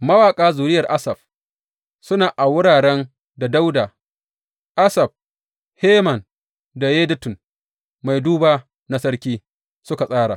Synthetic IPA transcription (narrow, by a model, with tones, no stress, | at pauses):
mɐ˦waː˨kʼaː˦zuː˨ɾɪ˦jɐ˨rʔa˦sɐ˨b̚ | sʊ˦naː˨ʔa˨wʊ˦ɽaː˨ɽɛ˦n | da˨da˦wdaː˨ | ʔa˦sɐ˨b̚ | heː˦mɐ˨n | da˨jeː˦dɪ˦tʊ˨n | ma˨jduː˦baː˨ | na˦sɐ˦ɽkʲiː˦ | sʊ˦ka˨sʼaː˦ɽa̰ː˨